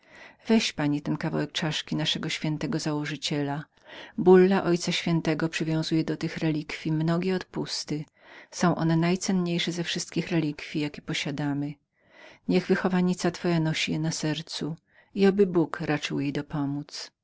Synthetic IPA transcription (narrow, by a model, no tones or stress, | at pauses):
v̥ɛɕpaɲit̪ɛnkava̰wɛk̚t͡ʂaʂkʲinaʂɛɡɔɕfʲɛnt̪ɛɡɔzawɔʐɘt͡ɕɛla | bulːaʔɔjt̪saɕfʲjɛnt̪ɛɡɔpʂɘvʲjɔ̃w̃zujɛd̪ɔt̪ɘxɾɛlʲikfʲjimnɔɡʲɛɔt̪pust̪ɘ | sɔ̃w̃ʔɔ̰nɛnajt̪sɛnɲejʂɛzɛfʂɘst̪̚kʲixɾɛlʲikfʲijakʲɛ̥pɔɕad̪amɘ | ɲɛɣvɘxɔvaɲit̪sat̪fɔjanɔɕijɛnasɛɾt̪su | iabɘbukɾat͡ʂɘwjejd̪ɔpɔmut̪s